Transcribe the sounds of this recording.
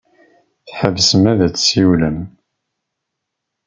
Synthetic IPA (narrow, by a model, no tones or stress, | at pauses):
θħəvsəmæðæt͡sːsiwləm